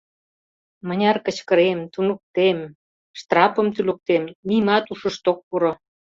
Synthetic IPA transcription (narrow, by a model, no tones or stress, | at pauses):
mənʲɑrkə̆t͡ɕkə̆ɾemt̪unuk̚t̪em | ʃt̪rɑpə̆mt̪yluk̚t̪emnimɑt̪uʃə̆ʃt̪ok̚puɾo